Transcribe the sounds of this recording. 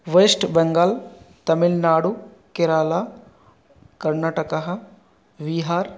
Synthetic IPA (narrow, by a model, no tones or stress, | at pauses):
ʋesʈbɐŋɡaːlt̪ɐmilnaːɽu | keɾaːla | kɐɾnaːʈɐkaɦɐ | ʋiːɦaːɾ